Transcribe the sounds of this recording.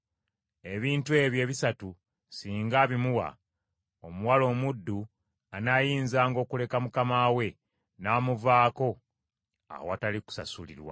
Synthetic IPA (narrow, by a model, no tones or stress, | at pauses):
e̞βiːntue̞βje̞ːβisatu | siːŋɡaːβimuwa̰ | omuwalo̞ːmudːu | anajiːnzaːŋɡo̞ːkule̞kamukamawe̞ | naːmuvaːko̞ | a̰woataliku̥sa̰sulḭɾwa̰